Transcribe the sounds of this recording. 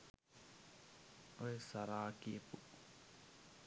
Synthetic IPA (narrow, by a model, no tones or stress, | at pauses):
oesaɾaːkiepu